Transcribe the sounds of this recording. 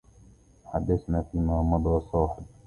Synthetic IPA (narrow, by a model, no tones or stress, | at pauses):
ħad̪ːasnaːfiːmaːmɑd̪ˤɾɑsˤɑːħɪb̪̚